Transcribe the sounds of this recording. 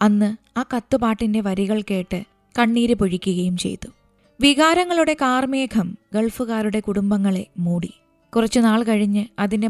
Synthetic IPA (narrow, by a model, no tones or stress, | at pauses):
ɐnːɨaːkɐt̪ːupaːʈːinde̞ʋɐɾiɣɐɭke̞ːʈːɨ | kɐɳːiːɾupoɻikʲːuɣɐjumt͡ɕe̞̰jt̪ːu | ʋiɣaːɾɐŋːɐɭuɽe̞kaːrmeːkʰɐmɡe̞ɭfuɣaːɾuɽe̞kuɽumbɐŋːɐɭe̞muːɽi | kurɐt͡ɕːunaːɭkɐɻiɲːɨɐðinde̞